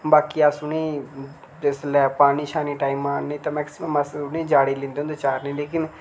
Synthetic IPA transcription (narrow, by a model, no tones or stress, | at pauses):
baːkiːaːsuːneː | d͡ʒeslɛːpaːɽ̃iːʃaːniːʈaːiːmaːnnẽːt̪ãːmɛːksɪməməsnẽːd͡ʒaːɽiːlɪ̃ːnd̪eːõʊnd̪eːt͡ʃaːɾneːleːkɪn